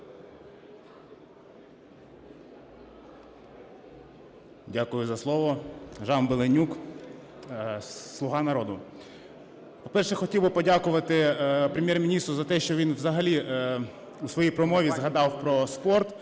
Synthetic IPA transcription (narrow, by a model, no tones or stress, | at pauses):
dʲakʊjʊzɐslˠɔʋɔʒɑnbelˠenʲuk | slˠʊɦɑnɐɾɔd̪ʊ | pɔpɛrʃɛxɔtʲiwbɪpɔdʲakʊʋɐt̪ɪpɾʲemʲjɛrmʲinʲist̪ɾʊzɐt̪ɛʃt͡ʃɔʋʲinʋzɐɦɐlʲi | usʋɔjijpɾɔmɔʋʲizɦɐd̪ɑwpɾɔspɔrt̪